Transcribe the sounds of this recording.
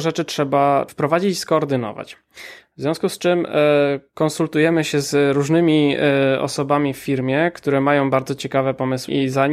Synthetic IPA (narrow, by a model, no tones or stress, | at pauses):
ʐɛt͡ʂɘtʂɛbafpɾɔvad͡ʑit͡ɕskɔːɾd̪ɘnɔ̰va̰t͡ɕ | vzvʲjɔ̃w̃skust͡ʂɘm | kɔnsult̪ujɛmɘɕɛzɾuʐnɘmʲiɔ̰sɔbamʲifːʲiɾmʲjɛkt̪uɾɛmajɔ̃w̃baɾd̪zɔt͡ɕɛkavɛpɔmɘswiza